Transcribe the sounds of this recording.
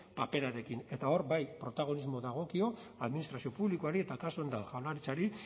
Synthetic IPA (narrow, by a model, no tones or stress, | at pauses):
pape̞ɾaɾe̞kine̞t̪ao̞ɾbajpɾo̞t̪aɣo̞nizmo̞ðaɣ̞o̞kio̞aðminist̪ɾasio̞puβlikoaɾie̞t̪akasund̪axawlaɾit͡saɾi